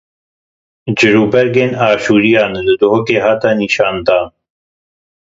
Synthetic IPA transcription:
d͡ʑiɾubɐɾɡenaːɕuːɾijaːnd̪d̪oɦokeɦat̪aniɕaːnd̪aːn

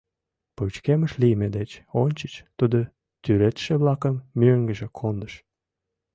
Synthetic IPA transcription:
put͡ɕkeməʃlimed̪et͡ɕonʲt͡ɕə̥t͡ɕt̪ud̪o | t̪yɾet̪ʃĕβlɑkəmːøŋɡəʒekʰond̪əʃ

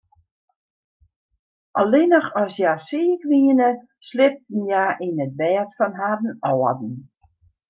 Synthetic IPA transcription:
ʔalɪnəχɔsjasiːəkʋiənə | slɪp̚tn̩jaʔinət̚ʋɛːətfɔnɦadn̩ɔːədn̩

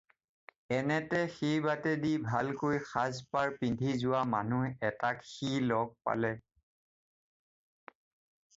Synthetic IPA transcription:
ɛnɛtɛxejbatɛdibʱalkojxazpaɹpindʱizʊwamanuɛtakxilɔɡ̚pa̰lɛ

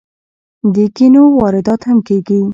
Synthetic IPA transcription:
d̪əkinowɑɾɪd̪ɑt̪hamkeɡi

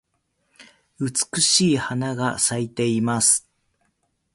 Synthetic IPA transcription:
ɯt͡sɨ̥kɯ̟ɕiːhanaɡasait̪e̞imasɨ̥

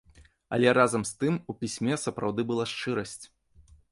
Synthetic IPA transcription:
ɐ̰lʲɛɾazɐmst̪ɨmupʲisʲmʲɛsɐpɾawd̪ɨbɨlˠaʂt͡ʂɨɾɐsʲt͡sʲ

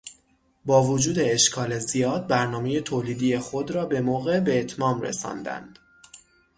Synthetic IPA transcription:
bɒːvod͡ʒuːd̪e̞ːʃkʰɒːle̞zijɒːd̪̚bæɾnɒːme̞je̞t̪ʰoːliːd̪ije̞xo̞d̪ɾɒːbe̞moːɣe̞be̞ːt̪ʰmɒːmrḛsɒ̰ːnd̪æ̰nd̪̥

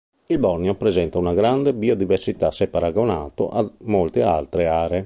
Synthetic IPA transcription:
ilbɔrnjopɾezɛnt̪aunaɡɾand̪ebiod̪iversit̪asepaɾaɡonaːt̪o̰ʔamːolt̪ea̰lt̪ɾeaːɾe

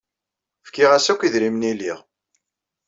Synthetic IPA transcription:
fkiʁæsækʷːiðɾimniliʁ

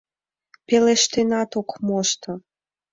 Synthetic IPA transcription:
peleʃt̪enɑt̪okmoʃt̪ɤ̆

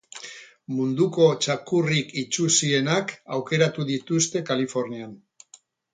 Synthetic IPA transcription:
mund̪uko̞t͡ʃakurikit͡ʃusie̞nakawke̞ɾat̪uðit̪ust̪e̞kalifo̞ɾnian

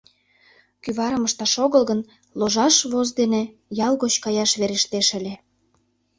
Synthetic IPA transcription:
kyβɑɾəməʃt̪ɑʃoɣəlɣən | loʒɑʃβozd̪ene | jɑlˠɣot͡ɕkɑjɑʃβeɾeʃt̪eʃə̆lʲe

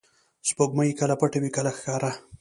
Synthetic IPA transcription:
spoɡmajikəlapaʈawikəlaxkɑɾa

